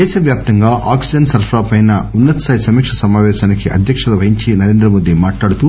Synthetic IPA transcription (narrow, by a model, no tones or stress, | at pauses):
d̪ɛːʃɐʋjaːp̚t̪ɐŋɡaːʔaːksid͡ʒɐnsɐɾpʰɾaːpɐjnɐunːɐt̪saːjsɐmiːkʂɐsɐmaːʋɛːʃaːnɐkiʔɐd̪ʱjɐkʂɐd̪ɐʋɐɦiɲt͡ʃinɐɾeːnd̪ɾɐmoːd̪imaːʈlaːɽut̪u